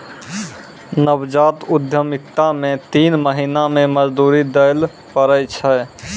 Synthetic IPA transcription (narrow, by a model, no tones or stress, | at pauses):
nəbd͡ʒaːt̪ʊd̪ʱjəmɪk̚t̪amẽt̪iːnməɦinamẽməd͡ʒd̪uːɾid̪əl | pəɾəjt͡ʃʰɛ